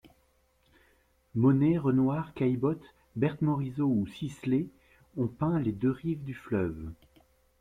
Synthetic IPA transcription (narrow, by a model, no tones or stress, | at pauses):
mɔneʁənwaʁkajbɔt̪ | bɛʁt̪mɔʁizousisle | ɔ̃pɛ̃led̪øʁivd̪yflœv